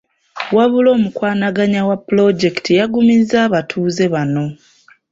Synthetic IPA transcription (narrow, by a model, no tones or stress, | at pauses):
waβulo̞ːmukwaːnaɡaɲawapulo̞ɟe̞ktʰijaɡumizaːβatʰuːze̞βano̞